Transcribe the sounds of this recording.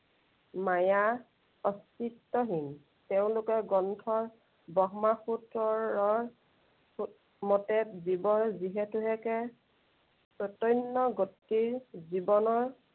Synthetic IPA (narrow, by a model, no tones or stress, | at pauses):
maja | ɔstitːɔɦin | teʊ̃lʊkɛɡɔntʰɔɹ | bɔɦmaxutɹɔɹɔɹ | mɔtɛtzibɔɹziɦɛtuɦɛkɛ | pɹɔtɔjnːɔɡotːiɹzibɔnɔɹ